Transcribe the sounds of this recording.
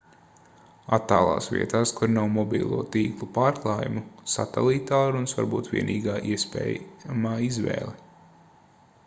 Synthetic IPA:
at̪ːaːlˠa̰ːsʋḭɛt̪aːskuɾnawmɔbḭːlˠṵɔt̪iːklˠupaːɾklˠaːjṵmusa̰t̪ɛlˠit̪aːɾunsva̰ɾbuːt̪ʋʲḭɛnʔiːɡaːʔiɛspɛ̰ːjmaːizʋɛ̰ːlˠi

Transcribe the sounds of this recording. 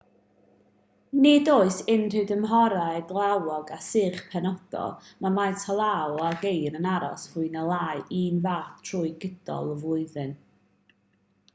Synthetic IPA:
nɪdoːɨsɪnr̥ɨwdəmɦɔɾadlˠawɔɡasɨːχpʰɛnɔd̥ɔ̰lˠmamajtʰɔlˠawaɡejɾənaɾɔ̰shʊɨnəlˠaːɨʔiːnvaːθtʰruːjɡəd̥ɔ̰lˠɔvʊɨðɨn

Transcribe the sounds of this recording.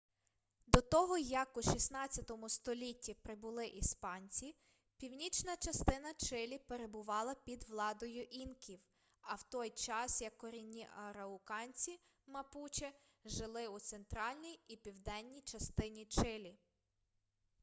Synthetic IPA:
d̪ɔt̪ɔɦɔjɐkuʃisnɑt͡sʲjɐt̪ɔmʊst̪ɔlʲitʲːipɾɪbʊlˠɪʔispɑnʲt͡sʲi | pʲiwnʲit͡ʃnɐt͡ʃɐst̪ɪnɐt͡ʃɪlʲipeɾe̞bʊʋɑlˠɐpʲid̪ʋlˠɑd̪ɔjʊʔinkʲʰiw | ɐwt̪ɔjt͡ʃɑsjɐkːɔɾʲinʲːiʔɐɾɐʊkɑnʲt͡sʲi | mɐput͡ʃʲɪ | ʒɪlˠɪut̪sent̪ɾɑlʲnʲijipʲiwd̪ɛnʲːijt͡ʃɐst̪ɪnʲit͡ʃɪlʲi

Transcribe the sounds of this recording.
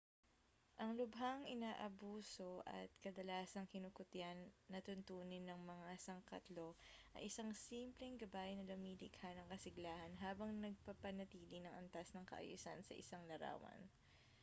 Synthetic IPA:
ʔɐŋlʊbɦaŋʔɪnaːʔɐbuːso̞ʔɐ̰t̪̚kɐd̪ɐlaːsɐŋkɪnʊkʊt̪ɪjanːɐt̪ʊnt̪uːnɪnːɐŋmɐŋasɐŋkɐt̪lo̞ʔɐ̰ʔɪsaŋsiːmplɛŋɡɐbaːʔɪnɐlɐmiːlɪɡhanɐŋkɐsɪɡlaːhɐnɦaːbɐŋnɐɡ̚pɐpɐnɐt̪iːlɪnɐŋʔɐnt̪asnɐŋkɐ̰ʔɐ̰jṵsansɐ̰ʔɪ̰saŋlɐɾa̰ːwɐ̰n

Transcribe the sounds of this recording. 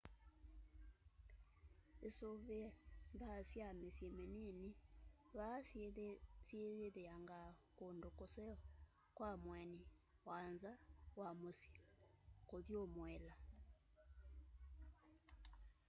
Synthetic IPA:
esoβembasjamesemenini | βa | sjeðeðeaŋɡakondokosɛɔ | kwamwɛni | wanzawamosi̥koðjomwɛla

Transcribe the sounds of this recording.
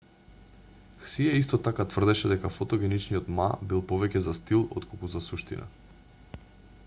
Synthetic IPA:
xsiaist̪ɔt̪akat̪vr̩d̪ɛʃɛd̪ɛkafɔt̪ɔɡʲɛnit͡ʃnijɔt̪ma̰bilˠpɔvɛcɛzast̪ilˠɔ̰t̪kolˠkuzasuʃt̪ḭna̰

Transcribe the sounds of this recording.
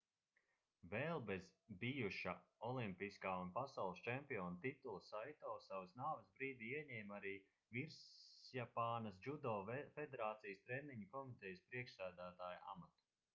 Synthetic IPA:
vɛːlˠbɛzbijuʃaɔlˠimpiskaːunpasawlˠst͡ʃɛmpiɔːnt̪it̪ulˠɨsajt̪ɔːsawsnaːvɐsbɾiːd̪iːiɛɲɛːmaɾiː | viɾsjapaːnɐs̬d͡ʒud̪ɔːfed̪eɾaːt̪sijəst̪ɾɛmiɲɐkɔmit̪ɛjspɾiɛkʃsæːd̪æːt̪aːjuʔa̰mat̪u̥

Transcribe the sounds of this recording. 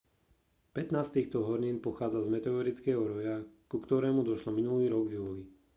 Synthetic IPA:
pɛt̪naːst̪iːxt̪ɔɦɔɾɲiːnpɔxaːd͡zazmɛt̪ɛɔɾit͡skɛːɦɔɾɔjakukt̪ɔɾɛːmud̪ɔʃlɔminuliːɾɔɡvjuːli

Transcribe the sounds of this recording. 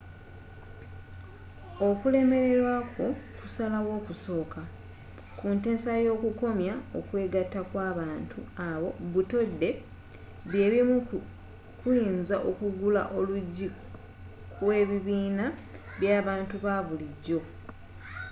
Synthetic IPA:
okule̞me̞ɾe̞ɾwakokusalaɣwo̞ːkuso̞ːka | kunte̞ːsajo̞ːkuko̞mjaokwe̞ːɡatːakwaːβaːntʰuaβo̞βuto̞dːe̞ | βje̞ːβimu | kwinzaʔo̞kuɡula̰ʔoluɟi | kʰwe̞ːβiβiːna | βjaːβaːntuβaβuliɟo̞

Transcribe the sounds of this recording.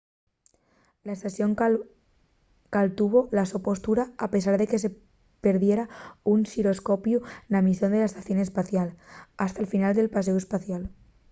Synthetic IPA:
laest̪asjo̞ŋ | kalt̪uβ̞olasopo̞st̪uɾaːpe̞s̬aɾðe̞ke̞s̬e | peɾðje̞ɾaunsiɾo̞skopjunamisjond̪e̞laest̪aθjo̞ne̞spaθjalast̪aelfinald̪e̞lpaseue̞spaθjal

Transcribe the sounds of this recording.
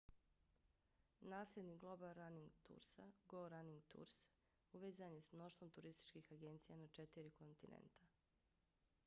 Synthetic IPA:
naːsled̪niɡlˠo̞balɾaniŋɡt̪ṵːɾsa̰ɡoɾaniŋɡt̪ṵɾs | uʋeːzanjesmno̞ʃt̪ʋo̞mt̪uɾist̪i̥t͡ʃkiːxaɡe̞nt̪sijanat͡ʃet̪iɾikont̪inḛnt̪a

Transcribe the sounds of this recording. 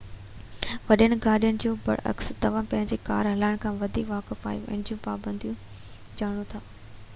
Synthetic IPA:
ʋɐɗəɽ̃ɪ̆ɡaːɗijənɪ̆d͡ʑoːbɐ̰ɽɐ̰kst̪ɐʋ̤ãːpɐ̃ɦɪ̃ɲd͡ʑeka̰ːɾɦɐlaːɪɽ̃kʰãːʋɐd̪ʱiːkʋaːkɪfa̰ːjṵ̃ɛ̰̃ɦɪ̃d͡ʑjũpaːbə̃nd̪ʱijũ | d͡ʑaːɽ̃ũt̪ʰaː

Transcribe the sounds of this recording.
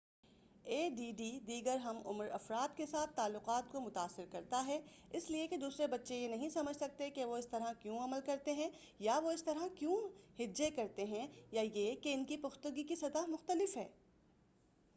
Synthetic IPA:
eːɖiːɖiːd̪iːɡəɾɦɐmʊ̰mɾɐ̰fɾaːt̪kesaːt̪ʰːaːlːʊqaːt̪̚komʊt̪aːsːɪɾkɐɾt̪aɦɛ | ɪslieked̪uːsɾebɐtːʃejenɐɦĩsɐməd͡ʒʱsɐk̚t̪ekeʋoɪst̪ɐɾɦãkjũːɐməlkɐɾt̪eɦɛ̃ | jaʋoɪst̪ɐɾãkjũhɪd͡ʒekɐɾt̪eɦɛ̃jajekeɪnkipʊxt̪uɡikisɐd̪amʊxt̪əlɪfɦɛː

